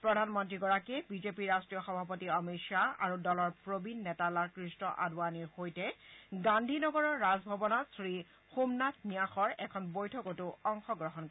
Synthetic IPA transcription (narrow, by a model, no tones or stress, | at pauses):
pɹɔdʱanmɔntɹiɡɔɹakebizepiɹastɹijɔxɔbʱapɔtiɔmiʃaa̰ɹudɔlɔɹpɹobinːɛtalaɹkɹistɔʔa̰dwaniɹxojtɛɡandʱinɔɡɔɹɔɹːazbʱɔbɔnɔtsɹi | xumnatnijaxɔɹɛkʰɔnbojtʰɔkotʊɔŋxɔɡɹɔɦɔnk